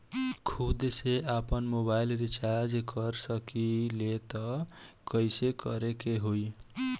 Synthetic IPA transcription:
kʰud̪seapənmobailɾit͡ʃaɾd͡ʒkəɾsəkilet̪ɔkəjsekəɾekeɦoj

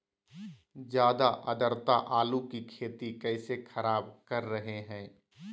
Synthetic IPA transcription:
d͡ʒjaːd̪aʔɐd̪əɾt̪aʔaːlukikʰeːt̪ikɛɪsexʰɐɾaːbkɐɾːɐɦeɦɛ̃ː

